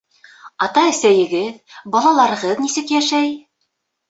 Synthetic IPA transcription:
ɑt̪ɑɘ̆sæjɘ̆ɡɘðbɑlˠɑlˠɑɾɤ̆ʁɤðnisɘkjæʃæj

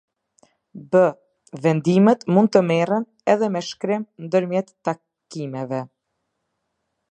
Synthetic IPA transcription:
bə | vɛnd̪imɛt̪mund̪̚t̪əmɛrən | ɛðɛmɛʃkɾɪmnd̪əɾmjɛt̪ːa | kimɛvɛ

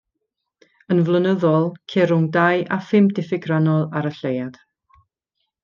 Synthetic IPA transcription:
ənvlˠənəðɔlˠkʰɛɾʊŋdajʔafɪmdɪfɪɡranɔlˠaɾəɬejad̥

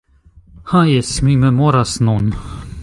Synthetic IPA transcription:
hãjɛsmiməmoɾasnon

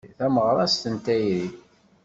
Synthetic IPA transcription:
θæməʁɾˤɑst̪ənt̪æjɾiθ

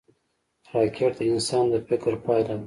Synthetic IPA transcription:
ɾɑkʰeʈ̚d̪əɪnsɑnd̪əfɪkɾpɑjla

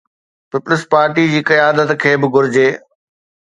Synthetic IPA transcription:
pɪpʊlɪspaːɾʈid͡ʑiːkɐjaːd̪ət̪kʰeːbɪɡʊɾɪd͡ʑeː

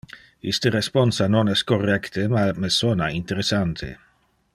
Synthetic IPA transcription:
ist̪əɾespɔnsanonɛskorɛkt̪əmamesonaint̪eɾesant̪ʰḛ

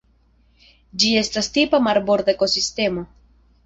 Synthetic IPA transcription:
d͡ʒie̞stastipamaɾbo̞ɾd̪aeko̞siste̞mo̞

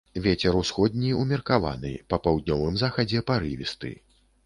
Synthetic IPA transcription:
vʲɛt͡sʲɛɾusxɔd̪̚ʲnʲiumʲɛrkava̰nɨ̰pɐpawd̪̚nʲɔvɨmzaxɐd͡zʲɛpaɾɨvʲist̪ɨ̰

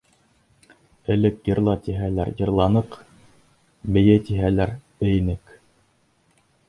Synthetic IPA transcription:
ɘ̆lɘkjɤ̆ɾlˠɑt̪iɦælæɾjɤ̆ɾlˠɑnɤq | mɘ̆jɘt̪iɦælæɾbɘ̆jɘ̆nɘk

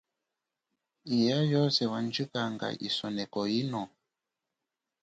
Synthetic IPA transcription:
ijajɔsɛwand͡ʒikaŋɡa̰ʔḭsɔnɛkɔinɔ

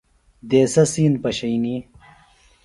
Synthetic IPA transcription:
d̪eːsɐsiːnpɐɕɐjni

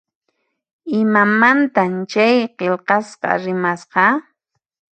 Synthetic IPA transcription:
ɪmamant̪amt͡ʃajqelqɑsqɑ̰ɾɪmasqɑ

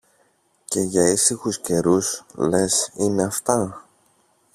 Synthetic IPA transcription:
ce̞ʝɐisixusce̞ɾusle̞sine̞ɐft̪ɐ

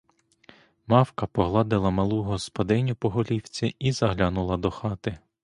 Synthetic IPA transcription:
mɑwkɐpɔɦlˠɑd̪ɪlˠɐmɐlˠuɦɔspɔd̪ɪnʲʊpɔɦɔlʲiwt͡sʲiizɐɦlʲanʊlˠɐd̪ɔxɑt̪ɪ

